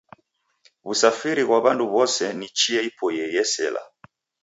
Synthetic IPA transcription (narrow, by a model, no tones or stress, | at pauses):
βusafiɾiɣwaβanduβɔsɛnit͡ʃiaipʰɔjɛjɛsɛ̰la̰